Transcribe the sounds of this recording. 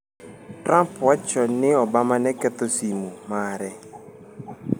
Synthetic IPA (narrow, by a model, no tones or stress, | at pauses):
trampwat͡ʃɔnɪɔbamanɛkɛt̪osimumaɾɛ